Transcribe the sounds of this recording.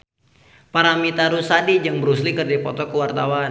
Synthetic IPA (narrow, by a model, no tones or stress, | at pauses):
paɾamit̪aɾusadid͡ʒaŋbəɾuslikərdaipɔt̪ɔkəwart̪awan